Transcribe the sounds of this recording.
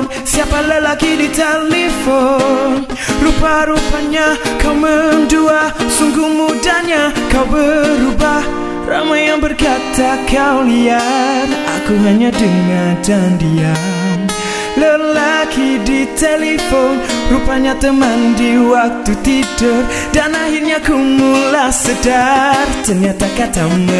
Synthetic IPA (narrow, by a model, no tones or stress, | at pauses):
n | siapaləlakidit̪elifon | ɾupaɾupaɲakawmənduasuŋɡumudaɲa | kawbəɾubah | ra̰majaŋbərkat̪akawliara̰kuɦaɲadəŋadandia | ləlakidit̪elefonrupaɲat̪əmandiwak̚t̪ut̪idʊr | danahirɲakumulasədart̪ərɲat̪akat̪am